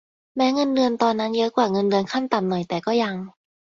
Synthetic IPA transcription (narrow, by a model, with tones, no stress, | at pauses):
mɛː˦˥ŋɤ˧ndɯ˧ənt̪ɔː˧nːa˦˥njɤ˦˥kwaː˨˩ŋɤ˧ndɯ˧ənkʰa˥˩nt̪a˨˩mnɔ˨˩jt̪ɛː˨˩kɔː˥˩ja˧ŋ